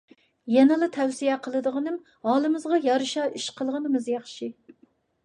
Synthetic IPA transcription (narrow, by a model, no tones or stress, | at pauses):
jɛnɨlˠɨt̪ʰɛwsijɛqʰəlˠɨd̪əʁɨnɨm | hɑːlˠɨmɨzʁɑjɑɾɨʃɑʔiʃqʰəlˠʁənɨmɨzjɑχʃi